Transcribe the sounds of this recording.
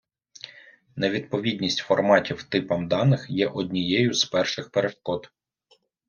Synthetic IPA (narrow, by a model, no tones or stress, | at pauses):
neʋʲid̪̚pɔʋʲidʲnʲisʲtʲfɔrmɑtʲiwt̪ɪpɐmd̪ɑnɪxjɛʔɔdʲnʲijɛjʊspɛrʃɪxpeɾeʃkɔt̪